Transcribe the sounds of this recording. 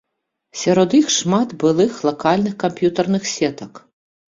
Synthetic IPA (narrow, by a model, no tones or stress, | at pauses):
sʲɐɾɔd̪ixʂmat̪bɨlˠɨxlˠɐkalʲnɨxkɐmpjut̪ɐrnɨxsʲɛt̪ɐk